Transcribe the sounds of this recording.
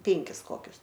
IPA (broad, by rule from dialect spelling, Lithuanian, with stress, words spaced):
ˈpʲɪŋʲkʲɪs ˈkoːkʲʊs